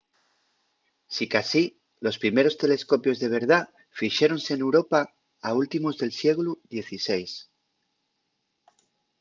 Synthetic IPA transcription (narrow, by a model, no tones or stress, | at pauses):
sikasi | lo̞spɾime̞ɾo̞st̪e̞le̞sko̞pjo̞zðe̞β̞e̞ɾð̞a | fiʃeɾo̞nse̞ːne̞wɾo̞pa | ault̪imo̞zðe̞lsje̞ɣluðje̞θise̞js